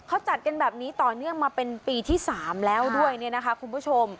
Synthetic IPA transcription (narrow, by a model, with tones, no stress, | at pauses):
kʰa˦˥wt͡ɕa˨˩t̪̚ka˧nbɛː˨˩p̚niː˦˥t̪ɔː˨˩nɯ˥˩əŋmaː˧pe˧npiː˧t̪ʰiː˥˩saː˩˦mlɛː˦˥wdu˥˩əjni˥˩ɐna˦˥kʰa˦˥kʰu˧npʰuː˥˩t͡ɕʰo˧m